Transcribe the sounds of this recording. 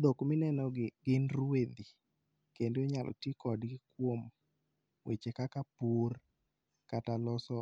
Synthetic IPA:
dokmɪnɛnɔɪɡɪnrwed̪i | kendoɲalʔɔ̰tɪkɔdɡɪkwom | wet͡ʃekakapur | katalɔsɔ

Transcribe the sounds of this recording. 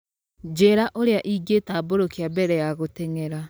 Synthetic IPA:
d͡ʒeɾaʔoɾeaʔiːɡetaːboɾokeabɛɾɛjaɣoteŋɛɾa

